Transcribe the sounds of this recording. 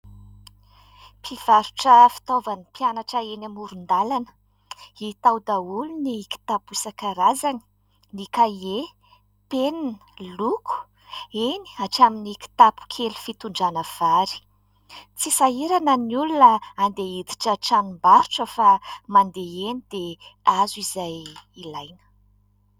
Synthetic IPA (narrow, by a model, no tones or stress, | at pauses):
pʰiv̥aɾuʈ͡ʂəfi̥t̪ovanipjanaʈ͡ʂəenamuɾund̪alanə̥ | it̪awd̪auluniki̥t̪apusakaɾazani̥ | nikae | pennlukʰu̥ | eni̥aʈ͡ʂaminiki̥t̪apu̥kʰelu̥fit̪uɳɖ͡ʐanəv̥aɾi̥ | t͡sisaɦiɾanəniulunəand̪eid̪i̥ʈ͡ʂəʈ͡ʂanimbaɾuʈ͡ʂəfamand̪eenid̪eazizajilajnə̥